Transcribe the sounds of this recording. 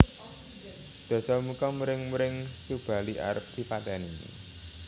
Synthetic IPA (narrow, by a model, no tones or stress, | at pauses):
d̪̥ɔ̤sɔmukɔmuɾɪŋmuɾɪŋsub̥a̤liʔa̰ɾəp̚d̪̥i̤pad̪̥a̤ni